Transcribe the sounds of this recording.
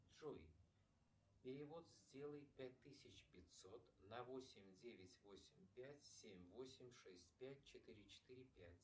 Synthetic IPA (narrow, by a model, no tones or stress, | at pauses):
ʐoj | pʲɪɾʲɪvo̞t̪zʲdʲe̞lˠəjpʲæt̚ʲt̪ːɨsʲɪt͡ɕpʲɪtʲsot̪nɐvo̞sʲɪmʲdʲevʲɪtʲvo̞sʲɪmʲpʲætʲsʲemʲvo̞sʲɪmʲʂɛsʲtʲpʲætʲt͡ɕɪt̪ɨɾʲɪt͡ɕɪ̥t̪ɨɾʲɪpʲætʲ